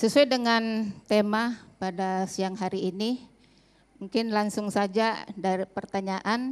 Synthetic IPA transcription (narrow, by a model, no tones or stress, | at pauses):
səsuajdəŋant̪emapadasiaŋɦaɾiːni | muŋkɪnlaŋsʊŋsad͡ʒadaɾipərt̪aɲaʔan